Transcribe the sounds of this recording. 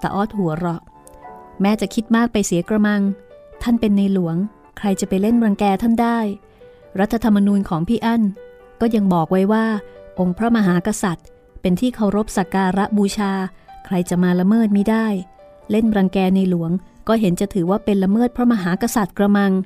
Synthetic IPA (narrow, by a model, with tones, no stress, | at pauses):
t̪a̰˧ʔɔː˦˥t̪̚hu˩˦ɐɾɔ˦˩ʔ | mɛː˦˥t͡ɕa˨˩kʰi˦˥t̪̚maː˥˩k̚pa˧jsi˩˦kɾa˧ma˧ŋt̪ʰa˥˩npe˧nːa˧jlu˨˩˦əŋ | kʰɾa˧jt͡ɕa˨˩pa˧jle˥˩nɾa˧ŋkɛː˧t̪ʰa˥˩ndaː˥˩j | ɾa˦˥t̪ʰːa˧t̪ʰːa˧mːa˧nuː˧nkʰɔː˩˦ŋpʰiː˥˩ʔa˥˩n | kɔː˥˩ja˧ŋbɔː˨˩k̚wa˦˥jwaː˥˩ʔo˧ŋpʰɾa˦˥ma˧ɦaː˩˦ka˧sa˨˩t̪̚ | pe˧nt̪ʰiː˥˩kʰa˧˩wɾo˦˥p̚sa˨˩kaː˧ɾa˦˥ʔbuː˧t͡ɕʰaː˧kʰɾa˧jt͡ɕa˨˩maː˧la˧mɤː˥˩t̪̚ma˦˥˩jdaː˥˩j | le˥˩nɾa˧ŋkɛː˧na˧jlu˩˦əŋkɔː˥˩ɦe˩˦nt͡ɕa˨˩t̪ʰɯː˩˦waː˥˩pe˧nla˧mɤː˥˩t̪̚pʰɾɔ˦˥ma˧ɦaː˩˦ka˧sa˨˩t̪̚kɾa˧ma˧ŋ